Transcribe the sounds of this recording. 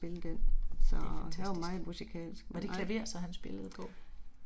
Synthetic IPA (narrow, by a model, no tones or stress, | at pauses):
b̥e̝ləd̥ensɒhæʋɐmɑ̈ːð̩ˠmusikʰɛ̰ːlsɡ̥mɒd̥e̝kʰlæʋe̝̰ːɐsɒ̽hænsb̥e̝ləð̞̩ˠɡ̥ɔ̰ː